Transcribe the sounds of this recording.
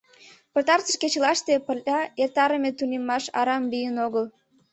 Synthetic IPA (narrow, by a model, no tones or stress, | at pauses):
pə̆t̪ɑrt͡sə̆ʃket͡ɕəlɑʃt̪epə̆lʲɑert̪ɑɾəmet̪unʲemːɑʃɑ̰ɾɑmlijənoɣəl